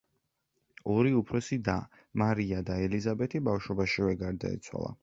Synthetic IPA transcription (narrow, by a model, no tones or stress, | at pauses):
ɔɾiupʰɾɔsid̪a | maɾiad̪aɛlizabɛt̪ʰibafʃwɔbaʃivɛɡaɾd̪a̰ḭt̪sʰwa̰lˠa̰